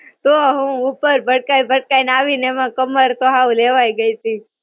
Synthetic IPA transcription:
t̪oɦũupəɾbʱəɽ̚kaibʱəɽkainaʋinemãkəməɾt̪oɦaũleʋaiɡəit̪ʰĩ

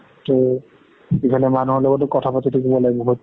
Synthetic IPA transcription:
tʊ | ikʰanɛmanuɦɔlɔɡɔtʊkɔtʰapatitikɔbɔlaɡbɔɦut̚

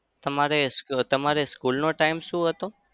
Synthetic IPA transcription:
t̪əmaɾest̪əmaɾeskulnoʈaimʃũɦət̪oː

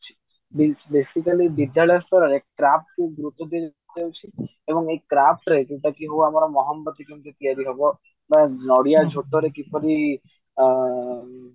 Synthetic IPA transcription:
t͡ʃʰi̥ | bebesikalibid̪jaɭɔjɔst̪ɔɾeɾekɾap̚ʈkuɡɾut̪ːɔd̪ie | t̪ewt͡ʃʰi | ebɔŋekɾap̚ʈɾekeʈakiɦowamaɾɔmɔɦɔmbɔt̪ikint̪ut̪iaɾiɦɔbɔ | bãnɔɽijad͡ʒʱoʈ̪ɔɾekipɔɾi

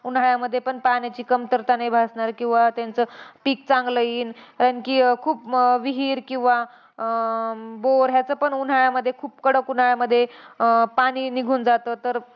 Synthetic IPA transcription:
un̤aɭjaməd̪ʱːjepəɳpanjat͡ɕiːkəmt̪əɾt̪anajbʱasɳaɾkĩw̃ʋat̪jant͡səpiːk̚t͡sãŋɡləiːnkaɾankiːkʰuːpʋiɦiːɾkĩw̃ʋa | boɾɦjat͡səːpəɳun̤aɭjaməd̪ʱːjekʰuːp̚kəɽəkun̤aɭjaməd̪ʱːjepaɽ̃iːniɡʱuːnd͡zat̪ət̪əɾ

